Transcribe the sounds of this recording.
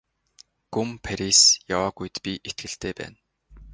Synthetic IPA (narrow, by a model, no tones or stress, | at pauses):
ɡ̥umpʰaɾisjawaːɡujt̪pʲiʔet̪̚ɡɘ̆ɬt̪eːpæ̰ːn